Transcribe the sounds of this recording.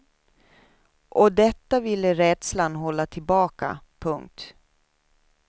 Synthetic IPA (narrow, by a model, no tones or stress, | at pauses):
ʔɔd̪ɛt̪ːavɪlːəɾɛd̪̥slanɦɔlːat̪ʰɪlbɑːka̰pʰɵŋk̚t̪